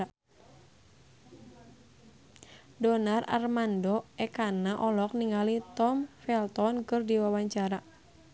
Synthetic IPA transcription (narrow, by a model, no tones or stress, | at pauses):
dɔnara̰rmandɔɛkanaʔɔlɔk̚niŋalit̪ɔmfɛlt̪ɔnkɨrdiwawaɲt͡ʃaɾa